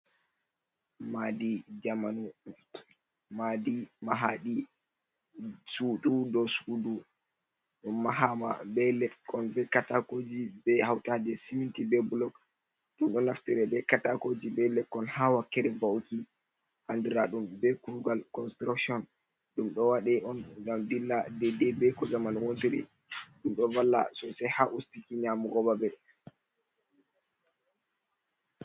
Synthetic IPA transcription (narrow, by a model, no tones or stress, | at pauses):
madid͡ʒamanu | madimaɦaɗi | suɗudɔsudu | ɗumːaɦama̰bɛlɛkːɔnbɛkatakod͡ʒibɛhawtaːdɛsimintibɛbulɔk | ɗumɗɔnaftiɾɛbɛkatakod͡ʒibɛlɛkːɔnhawakːɛɾɛbawki | ʔandiɾaɗumbɛkuuɡalkɔnstɾaksiɔn | ɗumɗɔwaɗɛʔɔnɡamdilːadɛdɛbɛkɔzamanwontiɾḭ | ɗumɗɔvalːa̰sɔsɛhaʔustikiɲamuɡɔbabɛ